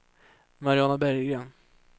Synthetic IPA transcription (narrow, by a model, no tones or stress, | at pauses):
maɾɪɑːnabæɾjɡɾeːn